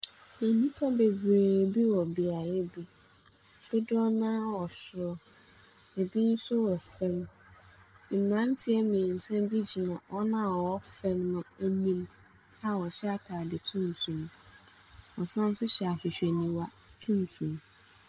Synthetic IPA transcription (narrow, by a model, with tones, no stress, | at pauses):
e˨nĩ˦fʰa˦be˨ɡu˨eː˨bi˦wɔ˨bɪ˨a˨ɾɛ˦bi˦˨ | b̥ʊ˦dʊ˦ɔ˦nãː˦wɔ˨sʊ˨ɔ˦ | e˨bi˦n̩˦sʊ˦wɔ˨fɛ̃˦m̩˨ | mã˦n˦tʰɪ˦ɛ˦mɪ̃˨n̩˨sɛ̃˦bi˦d͡ʑi˨nã˨ʔɔ˦nã˦˨wɔ˦fɛ̃˦mːʊ̃˨æ˦nĩ˦m | a˦wɔ˨ɕɛ˦a˦kʰaː˨dɪ˨tʰũ˦n̩˨tʰũ˨m | ɔ˨sã˦n̩˦sʊ˦ɕɛ˨a˨fɪ˨ɕᶣɛ˨nĩ˨wa˦ | tʰũ˦n˨tʰũ˨m